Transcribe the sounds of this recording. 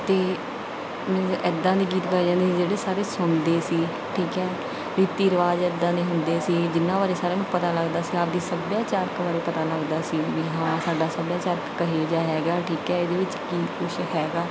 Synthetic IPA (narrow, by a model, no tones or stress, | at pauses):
t̪eː | mɛ̃ːʔɛd̪ːãːd̪iːɡiːt̪baːd͡ʒãːnd̪eːsid͡ʒeːɽeːsaːɾeːsʊnd̪eːsiː | ʈʰiːkɛː | ɾiːt̪iːɾəʋaːd͡ʒɛːd̪ãːd̪eːɦʊnd̪eːsiːd͡ʒɪnːãːbaːɾeːsaːɾeːm̃ːpət̪aːləɡd̪aːsiːaːp̚d̪iːsəbjaːt͡ʃaːɾkbaːɾeːpət̪aːləɡd̪aːsiːʋiɦãːsaːɖaːsəbjaːt͡ʃaːɾkːəɦed͡ʒaːɦɛːɡaːʈʰiːkɛːɪd̪eːʋɪt͡ʃkiːkʊʃɦɛːɡaː